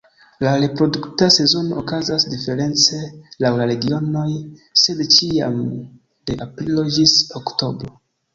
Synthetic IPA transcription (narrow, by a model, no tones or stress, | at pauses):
laɾe̞pɾo̞duktase̞zo̞no̞okazasdife̞ɾe̞nt͡se̞lawlaɾe̞ɡio̞no̞jse̞dt͡ʃia̰m | d̥e̞ʔapɾilo̞d͡ʒisokto̞bɾo̞